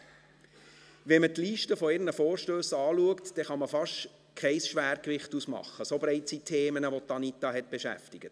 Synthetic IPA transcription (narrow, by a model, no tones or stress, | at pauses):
ʋɛmət̪liːʃtəfɔɪɾnəfoːɾʃtøːsɑːluəktd̥ɛχɑməfɑʃt | kʰɛɪsʃʋæːɾkʋɪχtusmɑ̰χːəsobɾɛɪtsitʰeːmənəʋot̪ːɑnitɑɦɛt̪̚b̥eʃæ̰ftɪɡ̥ət